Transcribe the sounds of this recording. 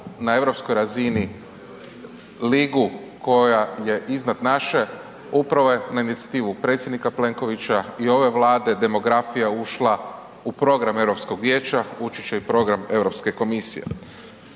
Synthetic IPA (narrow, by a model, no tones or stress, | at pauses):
nae̞ʋɾo̞pskojɾazini | liɡu | ko̞jaje̞ʔiznad̪naʃe̞ | upɾaʋojenainit̪sjḁt̪iːʋupɾe̞t̪sʲjed̪nikaple̞ŋko̞ʋit͡ʃaio̞ʋe̞ʋlaːd̪e̞d̪e̞mo̞ɡɾafijauʃla | upɾo̞ɡɾame̞ʋɾopsko̞ɡʋje̞ːt͡ʃaut͡ʃit͡ʃaipɾo̞ɡɾame̞ʋɾo̞pske̞ko̞misḭje̞̰